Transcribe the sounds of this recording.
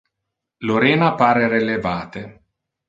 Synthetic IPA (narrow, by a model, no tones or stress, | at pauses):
loɾeːnapaːɾeɾelevaːt̪e